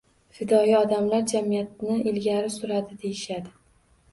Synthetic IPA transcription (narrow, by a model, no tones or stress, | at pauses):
fɪd̪ɒjiɒd̪amlaɾd͡ʒamijat̪nɪʔɪlɡʲaɾɪsʊɾad̪ɪd̪e̞jɪʃad̪ɪ